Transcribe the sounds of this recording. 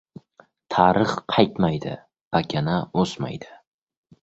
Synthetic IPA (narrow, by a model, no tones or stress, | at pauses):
t̪ʰaɾɨχqʰɑjt̪majd̪ɪ̰ | b̥akʲʰanaosma̰jd̪ɪ̥